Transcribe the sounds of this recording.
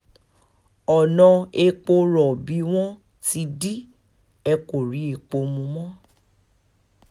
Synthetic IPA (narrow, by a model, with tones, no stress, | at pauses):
ɔ˨nɔ̃˧e˧k͡po˧ɾɔ˨bi˨˦w̃ɔ̃˦ | ti˧di˦ | ɛ˧ko˨ɾi˨˦e˧k͡po˧mũ˧mɔ̃˦